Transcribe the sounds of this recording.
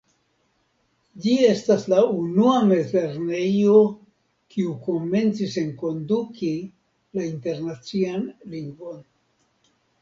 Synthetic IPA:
d͡ʒie̞staslaunuame̞zle̞ɾne̞jo̞ | kʰiuko̞me̞nt͡sise̞ŋko̞nduki | lainte̞ɾnat͡sianliŋɡvo̞n

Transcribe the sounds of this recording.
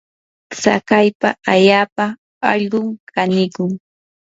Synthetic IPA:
sa̰kajpaaʎaːpaː | ʎɢʊŋkanɪkʊŋ

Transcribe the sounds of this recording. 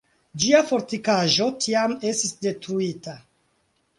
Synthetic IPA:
d͡ʒiafo̞ɾtikaʒo̞tʰiame̞stisde̞tɾuita

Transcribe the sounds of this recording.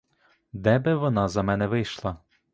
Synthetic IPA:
d̪ɛbɪʋɔnɑzɐmɛnɛʋɪjʃlˠɑ

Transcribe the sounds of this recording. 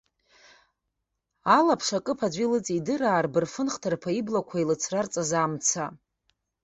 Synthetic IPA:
alapʰʂakʼɨpʰad͡ʒʷilɨt͡sʼidɨraːrbɨrfɨnχtʰarpʰaiblakʷʰailɨt͡sʰrart͡sʼazamt͡sʰa

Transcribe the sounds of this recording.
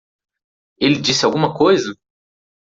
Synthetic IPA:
ilid͡ʒisaɡumakʰojza

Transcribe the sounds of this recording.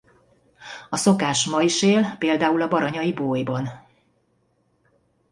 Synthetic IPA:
ɒso̞kaːʃmɒiʃeːlpeːld̪aːulɒbɒɾɒɲɒiboːjbɒn

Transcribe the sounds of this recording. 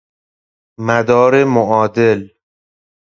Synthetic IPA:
mæd̪ɒːɾemoʔɒːd̪el

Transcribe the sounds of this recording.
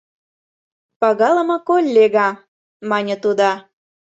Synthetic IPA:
pɑɣɑlə̆mɤ̆kolʲːeɣɑ | mɑnʲə̆t̪ud̪ɑ

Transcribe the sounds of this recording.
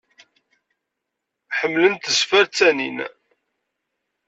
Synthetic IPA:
ħəmːlənt̪əzfæɾt͡sːænḭn

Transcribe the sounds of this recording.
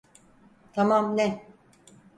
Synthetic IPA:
t̪ʰamamnɛ

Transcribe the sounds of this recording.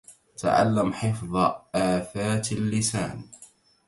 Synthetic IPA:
t̪a̰ʕa̰lːamħɪfðˤʔaːfaːt̪alːɪsa̰ːn

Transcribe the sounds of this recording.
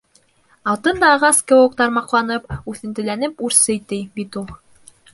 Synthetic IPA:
ɑlˠt̪ɤnd̪ɑːʁɑskɤok̚t̪ɑɾmɑqlˠɑnɤpʉθɘ̆nt̪ɘ̆lænɘpʉɾsɘjt̪ɘbit̪ulˠ

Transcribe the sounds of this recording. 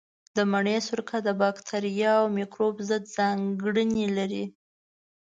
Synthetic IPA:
d̪əmaɳesʊɾkad̪əbɑkt̪ʰaɾijɑawmikɾobzəd̪zɑŋɡɽənilaɾi

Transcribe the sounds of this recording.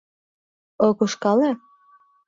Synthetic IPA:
okuʃkɑle

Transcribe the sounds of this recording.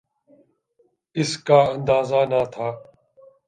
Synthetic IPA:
ɪskaːə̃nd̪aːzaːnaːt̪ʰaː

